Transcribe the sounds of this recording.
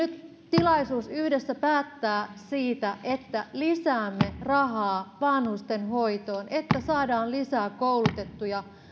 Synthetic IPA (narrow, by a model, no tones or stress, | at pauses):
nyt̪ | t̪ilɑisuːsyhde̞sːæpæːt̪ːæːsiːt̪æʔet̪ːælisæːmːe̞rɑɦɑːʋɑnhust̪e̞nɦo̞it̪o̞ːnʔet̪ːæsɑːdɑːllisæːkowlut̪e̞t̪ːujɑ